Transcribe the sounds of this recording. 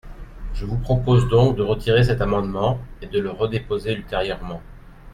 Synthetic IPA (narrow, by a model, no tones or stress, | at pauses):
ʒəvupχɔpozd̪ɔ̃kd̪əʁət̪ʰiʁes̬ɛt̪amɑ̃d̪mɑ̃ed̪ələʁəd̪epozeylt̪eʁjœʁmɑ̃